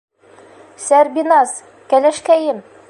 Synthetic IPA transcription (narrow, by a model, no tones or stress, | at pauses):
sæɾbinɑz | kælæʃkæjɘm